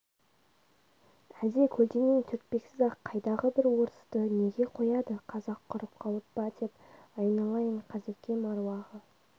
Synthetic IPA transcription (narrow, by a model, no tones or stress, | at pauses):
æze̞kʲʰɵld̪enent̪ʰʏɾk̪̚pe̞ksɪzɑqʰːɑjd̪ɑʁəbɪɾwo̞ɾəst̪əne̞ɡʲe̞qʰo̞jɑd̪əqʰɑzɑqʰːʊɾəp̚qʰɑlˠəp̚bɑd̪e̞pɑjnɑlˠɑjəɴqʰɑzekʲe̞mɑɾwɑʁə